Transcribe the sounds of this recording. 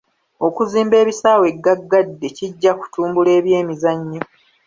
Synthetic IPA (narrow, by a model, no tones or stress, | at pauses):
o̞kuziːmbe̞ːβisaːwe̞ɡːaɡːadːe̞ciɟːaku̥tuːmbule̞ːβje̞ːmizaɲːo